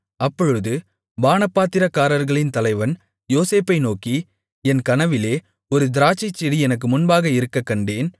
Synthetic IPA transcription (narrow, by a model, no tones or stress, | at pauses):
ɐpːɔɻɯðɯ | baːnɐpːaːt̪ːɪɾɐkːaːɾɐɾɣɐɭɪnt̪ɐlɐɪʋɐn | joːseːpːɐɪnoːki | ɛnkɐnɐʋɪleː | ɔɾɯd̪ɪɾaːt͡ʃːɪt͡ʃːɛɽiɛnɐk̬ːɯmʊnbaːɣɐɪɾɯkːɐkːɐɳɖeːn